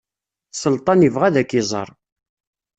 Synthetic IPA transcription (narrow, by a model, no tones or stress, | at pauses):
səlt̪ˤɑnəvʁæðækːizˤə̰ɾˤ